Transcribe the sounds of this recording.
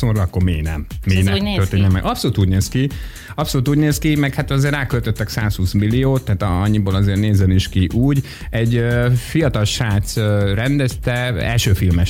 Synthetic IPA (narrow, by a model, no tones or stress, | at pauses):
soɾɒkːoɾmḛːnɛ̰mːiːnɛtørt̪eːɲɛmːɛ̰ɡɒpsoluːt̪uːɟneːski | ɒpso̞luːt̪uːɟneːskimɛkhat̪ɒzeːɾaːkølt̪øt̪ːɛksaːshuːsmilːioːt̪ːaɦːt̪ɒ̰ɲːiboːlɒzeːrneːzɛniʃkiʔuːɟ | ɛɟøfijɒt̪ɒlʃaːt̪sørɛnd̪ɛst̪ɛɛ̰lʃøːfilmɛ